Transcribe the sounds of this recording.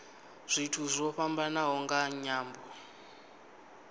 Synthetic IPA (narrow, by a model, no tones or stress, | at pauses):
z̥ʷitʰuzʷɔɸambanaɦɔŋɡaɲaːmbɔ